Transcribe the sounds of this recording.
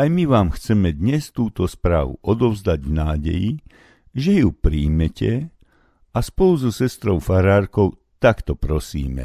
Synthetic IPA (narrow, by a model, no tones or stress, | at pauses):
ajmiʋaːmxt͡sɛmɛd̪ɲɛst̪uːt̪ɔspɾa̰ːʋṵʔɔd̪ɔʊzd̪aɟvnaːɟɛ̰ji | ʒɛjupɾiːmɛcɛ | aspɔluzɔsɛst̪ɾɔʊfaɾaːɾkɔʊ | t̪akt̪ɔpɾɔsḭːmɛ̰